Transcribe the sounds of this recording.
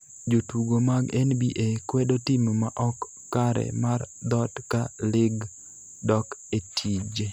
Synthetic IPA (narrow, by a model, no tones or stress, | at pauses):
d͡ʒotuɡomaɡɛnbiʔekwɛdotɪmmaʔɔkː | aɾɛ̰mard̪ɔtkalɪɡ | dɔketʰid͡ʒe